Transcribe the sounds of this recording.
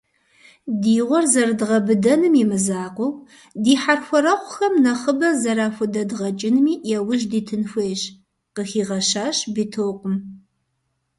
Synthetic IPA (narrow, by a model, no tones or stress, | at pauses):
diːʁʷɔrzɐrɨdɨʁɐbɨdɐnɨmjimɨzaːqʷɔw | diːħarxʷɔɾɐχʷʊxɐmnɐχəbɐzɐɾaːxʷʊdɐdʁɐt͡ʃʼɪnmiːjɛwʊʒdiːtʰɨnxʷeːɕ | qəxiːʁɐʃaːɕbitʰoːqʷʊm